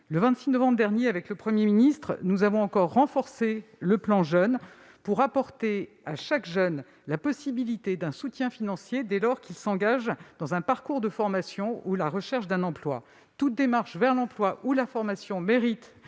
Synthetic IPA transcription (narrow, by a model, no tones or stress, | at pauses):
ləvɛ̃t̪sinɔvɑ̃bʁd̪ɛʁnjeavɛkləpχəmjeminist̪χnuzavɔ̃ɑ̃kɔʁːɑ̃fɔʁseləplɑ̃ʒœn | puʁapɔʁt̪e | aʃakʒœn | lapɔsibilit̪ed̪ɛ̃sut̪jɛ̃finɑ̃sjed̪ɛlɔʁkilsɑ̃ɡaʒd̪ɑ̃zɛ̃paʁkuʁd̪əfɔʁmasjɔ̃ulaʁəʃɛʁʃd̪ɛ̃nɑ̃plwa̰ | t̪ut̪̚d̪emaʁʃvɛʁlɑ̃plwaʔulafɔʁmasjɔ̃meʁit̪